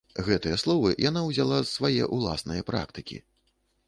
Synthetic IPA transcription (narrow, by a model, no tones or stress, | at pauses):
ɣɛt̪ɨjɛslˠɔvɨjʔanawzʲalˠavajɛ̰ʔulˠa̰snɨjɐpɾa̰kt̪ɨkʲḭ